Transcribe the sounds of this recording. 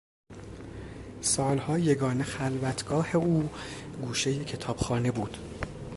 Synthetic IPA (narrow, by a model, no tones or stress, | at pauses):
sɒːlhɒːje̞ɡɒːne̞xælvæt̪ʰɡɒːhe̞uːɡuːʃejecʰe̞t̪ʰɒːb̥xɒːnebuːd̪̥